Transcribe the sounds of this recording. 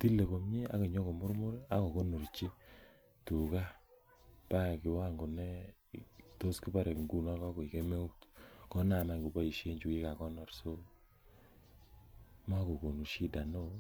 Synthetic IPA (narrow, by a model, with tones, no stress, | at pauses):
ti˦lːe˨ko˨mɲi˦a̰˦ke˨ɲo˦ko˨mʊ˦ɾmʊ˦ɾa˦ko˨ko˦nu˨ɾt͡ʃi˦ | tu˨ka˦ | pa˦˨kɪ˨wa˦ŋɡo˨nɛ˦ | to˦ski˦ba˦ɾe˨kŋɡu˦na˦kɔ˦ko˨i˨ke˦me˦u˦tkɔ˦na˨ma˨ŋɡu˨ba˦i˨ʃe˦ɲd͡ʒu˨ki˦ka˨kɔ˦nɔ˦ɾso˦ | ma˦ko˨ko˨nu˨ʃi˦da˨no˦